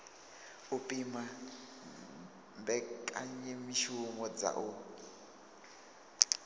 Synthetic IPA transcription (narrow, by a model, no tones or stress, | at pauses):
upʼima | mbɛkʼaɲɛmiʃumɔd͡za̰ʔu